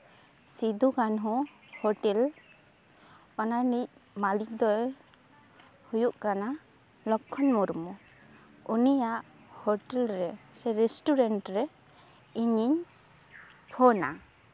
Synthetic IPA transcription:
sid̪uɡanɦɔ | hɔʈɛl | ɔnanic̚malik̚d̪ɔj | hujuʔkana | lɔkʰːɔnmɔɾmɔ | unijaʔ | hɔʈɛlɾɛsɛɾɛsʈuɾɛnʈɾɛ | iɲiɲ | pʰɔna̰

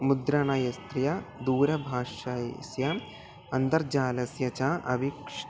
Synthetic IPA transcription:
mud̪ɾɐɳɐjɐst̪ɾjɐd̪uːɾɐbʱaːʃɐsjɐ | ɐnd̪ɐɾd͡ʒaːlɐsjɐt͡ʃaːʔɐʋikʂ

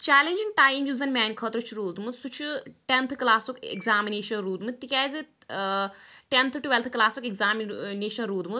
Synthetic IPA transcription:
t͡ʃaːlenʲd͡ʒiŋɡʈaːjmjuːzɐnʲmʲaːnʲkʰɐt̪ɾut͡ʃʰiɾuːd̪mut̪sut͡ʃʰuʈent̪ʰklaːsukḛɡzaːmineːʃɐnɾuːd̪mɨt̪t̪ikʲaːzɨ | ʈent̪ʰʈuʋɛlt̪ʰklaːsukeɡzaːmineːʃɐnɾuːd̪mut̪

